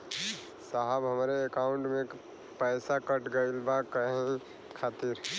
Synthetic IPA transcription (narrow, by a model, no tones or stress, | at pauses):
saɦəbɦəmɾeːkaʊɳʈmẽ | pəɪsakəʈɡəɪlbakəẽ | kʰaːt̪iɾ